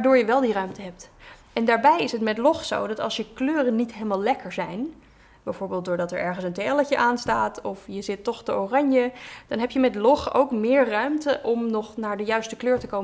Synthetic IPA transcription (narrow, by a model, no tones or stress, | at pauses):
aɹdʊːɹjəʋɛlˠdirœɥmtəɦɛp̚t | ɛndaːɹbɛjɪsətmɛtlɔχso̰wdɑtɑ̰lˠsjəkløːrənitɦelˠmaːlˠlɛkəɹzɛjn | bɛjvʊːɹbeːlˠt̚dʊːɹdɑtɛɹʔɛɹχənsənteɛləcəʔaːnstaːtʰɔfjəzɪtːɔχtəorɑɲjəd̥ɑnɦɛpjəmɛtlɔχo̰wkmɪːɹrœɥmtəʔɔmnɔχnaːɹdəjœɥstəkløːɹtəkowmə